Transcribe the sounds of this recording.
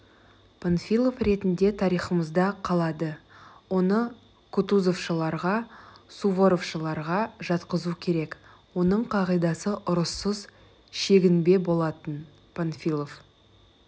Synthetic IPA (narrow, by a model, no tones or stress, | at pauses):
pʰonfʲijlˠo̞fɾe̞t̪ɪnd̪e̞t̪ʰɑɾijχəməzd̪ɑqʰɑlˠɑd̪əwo̞nə | kʰut̪uzo̞fʃəlˠɑɾʁɑsuvo̞ɾofʃəlˠɑɾʁɑʒɑt̪qəzukʲʰe̞ɾek | wo̞nəɴqʰɑʁijd̪ɑsəʔʊɾəsːəz | ʃe̞ɡʲɪnbe̞bo̞lˠɑt̪ən | pʰonfʲilˠof